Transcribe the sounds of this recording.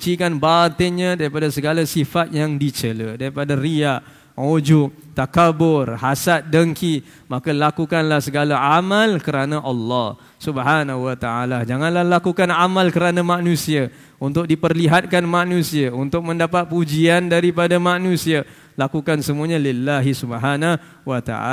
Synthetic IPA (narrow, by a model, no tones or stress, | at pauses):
kt͡ʃikanbat̪ɪɲadaɾipadasəɡalasifat̪̚jaŋdit͡ʃələdaɾipadaɾiaʔ | ud͡ʒʊp̚t̪akabʊrhasat̪̚dəŋki | makalakukanlahsəɡalaamalkəɾanãʔɑlːɔh | subɦanaɦuwat̪aalad͡ʒaŋãnlahlakukanamalkəɾanamanũsia | unt̪ʊk̚dipərliɦat̪̚kanmanũsiaunt̪ʊk̚mə̃ndapat̪̚pud͡ʒiandaɾipadamanũsia | lakukansəmũaɲãlɪlːaɦisubɦana | wat̪a̰a̰